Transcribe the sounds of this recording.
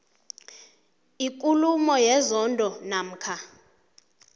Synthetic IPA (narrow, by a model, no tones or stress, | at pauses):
ik̬ʼulumɔjɛzɔndʱɔnaːm̩ːkʰa